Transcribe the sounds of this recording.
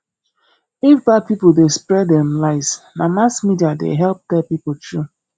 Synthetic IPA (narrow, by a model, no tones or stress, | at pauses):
ifbad̚pipodespɾɛdɛmlaɪsnamasmidiadḛɦɛlp̚tɛpipotɹu